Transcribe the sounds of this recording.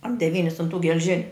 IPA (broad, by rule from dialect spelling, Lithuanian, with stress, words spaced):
ɐr dʲɛˈʋʲiːnʲɪs ʊn tuː ɡʲɛlʲˈʒʲɪnʲʊ